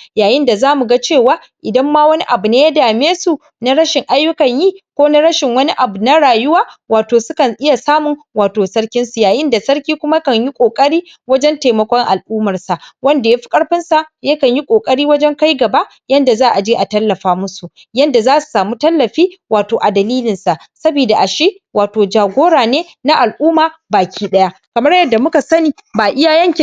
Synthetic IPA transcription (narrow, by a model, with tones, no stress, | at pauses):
jaː˨jɪ˦nda˨zaː˦mu˨ɡa˦t͡ʃeː˦˨waː˦ | ʔɪ˨dɐ˦mːaː˦wɐ˦ni˦ʔa˨bu˨neː˦ja˦daː˨meː˦su˨ | na˦ɽɐ˦ʃɪ˨ŋʔa˦jːʊ˦kɐ˨ɲji˦kʷoː˦na˦ɽɐ˦ʃɪ˨ŋwɐ˦ni˦ʔa˨bu˨na˦ɽaː˨jʊ˦waː˦waː˨toː˨sʊ˦kɐ˨nʔɪ˦ja˨saː˦mʊ˨ŋwaː˨toː˨sɐ˦ɽkʲɪ˦nsu˨jaː˨jɪ˦nda˨sɐ˦ɽkʲiː˦kʷʊ˦ma˦kɐ˨ɲji˦kʷʼoː˨kʼɐ˦ɽiː˦ | wɐ˦d͡ʒɛ˦nteː˨mɐ˨˦kʷɔ˦ŋʔa˨lʔuː˦mɐ˨rsa˨ʔwɐ˦nda˨ja˦ɸi̥˦kʼɐ˦ɽɸɪ˦nsa˨jɐ˦kɐ˨ɲji˦kʷʼoː˨kʼɐ˦ɽiː˦wɐ˦d͡ʒɛ˦ŋka˦jɡɐ˨ba˦ʔ | jɐ˦nda˨zaː˦ʔa˨d͡ʒiː˦ʔa˨tɐ˦lːɐ˨ɸaː˦mʊ˦su˨ʔ | jɐ˦nda˨zaː˦su̥˨saː˨muː˦tɐ˦lːɐ˨ɸiː˦waː˨toː˨ʔa˨dɐ˨liː˦lɪ˨nsa˨ʔ | sɐ˦biː˨da˨ʔa˨ʃe˦ | waː˨toː˨d͡ʒaː˨ɡʷoː˦ɽaː˨neː˦ | na˦ʔa˨lʔuː˦maː˨baː˨kʲʰiː˦ɗɐ˦ja˦ | kɐ˨mɐ˦ɽjɐ˦dːa˨mʊ˦ka˨sɐ˦niː˨baː˨ʔɪ˦ja˨jɐ˦ŋkʲɪ˨